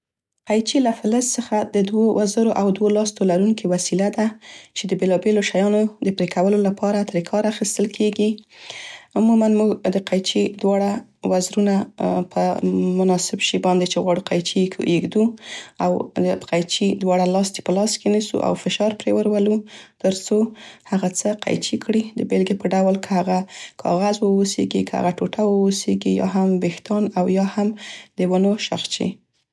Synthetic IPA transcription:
qajt͡ʃilafɪləssəxad̪əd̪wowʔazəɾoʔawd̪wolɑst̪olaɾuŋkiwasilad̪at͡ʃed̪əbelɑbeloʃajɑnod̪əpɾekawəlolapʰɑɾat̪ɾekʰɑɾaxist̪əlkʰeɡi | ʊmumanmuɡd̪əqajt͡ʃid̪wɑɽawazɾunapʰəmʊnɑsɪbʃibɑnd̪et͡ʃeɣwɑɽuqajt͡ʃikʰṵʔeɡd̪uawəqajt͡ʃid̪wɑɽalɑst̪e̥pəlɑskenisṵʔa̰wfɪʃɑɾpɾewəɾwalut̪əɾt͡sohaɣat͡səqa̰jt͡ʃikʰɽid̪əbelɡepəɖawlkʰəhaɣakʰɑ̰ɣazwəosḛɡikʰəha̰ɣaʈoʈawəwoseɡijɑ̰ɦambext̪ɑnawjɑhamd̪əwənoʃa̰xt͡ʃḭ

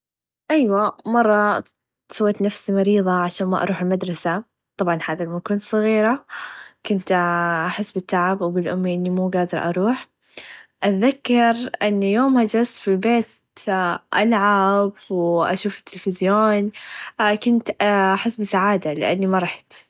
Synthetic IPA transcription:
ʔajwamɑrˤːɑ | sawːeːt̪nafsimɑɾiːðˤɑʕaʃaːnma̰ʔɑ̰ɾˤuːħɪlmad̪ɾˤɑsa | t̪ˤɑbʕɑnhaːðalmakuːnt̪sˤɨɣiːɾakʊnt̪ʔaħɪsːbɪt̪ːaʕabwbɪlʔʊmːiʔɪnːimuːɡaːd̪ɪɾˤʔɑ̰ɾˤuːħ | ʔaðakːɑɾʔɪnːjoːmhad͡ʒasfilbeːt̪ | ʔalʕabwʔa̰ʃuːfɪ̥t̪ːɪlfɪzjoːn | kʊnt̪aħɪsːbɪsaʕaːd̪alɪ̰ʔanːimɑɾˤɑħt̪

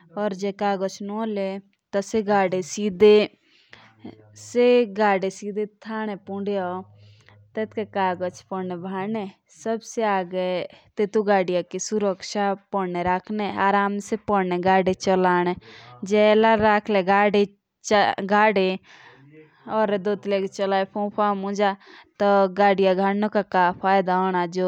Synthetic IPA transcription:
ɔːɾd͡ʒɛkaːɡɔt͡ʃʰnɔːle | t̪ɔseɡaːɖesid̪e | seɡaːɖesiːd̪ʱet̪ʰaːñɛpũɳɖja | t̪et̪ʰkekaːɡɔt͡ʃʰpɔnebʱaːnɛ | səbseaːɡet̪et̪uɡaːɽijakisuɾəkʃapɔneɾaːkʰneaːɾaːmsepɔnɛɡaːɖet͡ʃɔlaːñed͡ʒɛlaɾaːkʰleɡaːɖe | t͡ʃɡaːɽe | ɔːɾd̪ot̪lekt͡ʃɔlaːjpʰõpʰamũd͡ʒat̪ɔɡaːɽijaɡʱaɽnokakaːpʰaːjd̪aɔnad͡ʒo

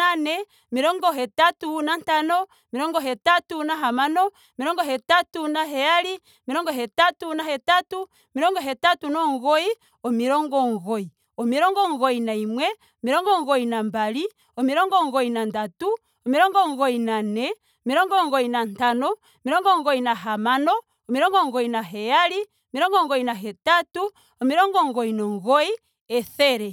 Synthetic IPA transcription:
anɛ | miɾɔŋɡɔɦɛtatunantanɔ | miɾɔŋɡɔɦɛtatunaɦamanɔ | miɾɔŋɡɔɦɛtatunaɦɛjali | miɾɔŋɡɔɦɛtatunaɦɛtatu | miɾɔŋɡɔɦɛtatunɔŋɣɔi | ɔmiɾɔŋɡɔŋɣɔi | ɔmiɾɔŋɡɔŋɡɔinaimwɛ | ɔmiɾɔŋɡɔŋɡɔinambaɾi | ɔmiɾɔŋɡɔŋɡɔinandatu | ɔmiɾɔŋɡɔŋɡɔinanɛ | ɔmiɾɔŋɡɔŋɡɔinantanɔ | miɾɔŋɡɔŋɡɔinaɦamanɔ | ɔmiɾɔŋɡɔŋɡɔinaɦɛjaɾi | ɔmiɾɔŋɡɔŋɡɔinaɦɛtatu | ɔmiɾɔŋɡɔŋɡɔinɔŋɡɔi | ɛθɛɾɛ

